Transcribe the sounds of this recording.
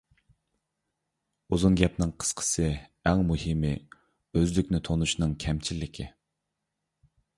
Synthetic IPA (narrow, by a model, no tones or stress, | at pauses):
uzunɡʲɛpnɨŋqʰə̥sqʰə̥sɨɛŋmuhɨmɪ | øzlykʲnɪt̪ʰonuʃnɨŋkʲʰɛmt͡ʃʰilːɪkʲʰɪ̰